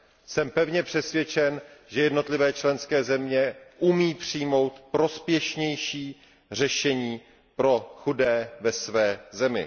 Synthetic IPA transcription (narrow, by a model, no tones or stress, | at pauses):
sɛmpɛvɲɛpr̝̥ɛsvjɛt͡ʃɛnʒɛjɛdno̞t̪lɪvɛːt͡ʃlɛnskɛːzɛmɲɛʔumiːpr̝̥ijmo̞wt̪pɾo̞spjɛʃɲɛjʃiː | r̝ɛʃɛɲiː | pɾo̞xudɛːvɛsvɛːzɛmɪ̰